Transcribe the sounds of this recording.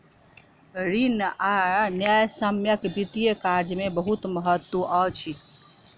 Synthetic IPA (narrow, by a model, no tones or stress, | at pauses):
ɾinanjajsəmjəkbit̪ijəkaɾd͡ʒmebəɦut̪məɦət̪wuʔət͡ʃʰi